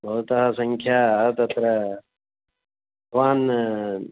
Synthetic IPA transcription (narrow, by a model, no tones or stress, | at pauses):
bʱɐɦut̪ɐɦasɐ̃ŋkʰjaːt̪ɐt̪ɾɐ | kʋaːn